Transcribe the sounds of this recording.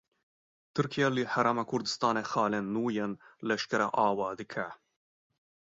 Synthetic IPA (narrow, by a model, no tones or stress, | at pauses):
t̪ʰɨɾkʰijalɨħaɾaːmakʰʊɾd̪ɨ̥st̪ɑːnexɑːlenːuːjenlɛʃkɛɾaʔɑːwɑːd̪ɨkʰæ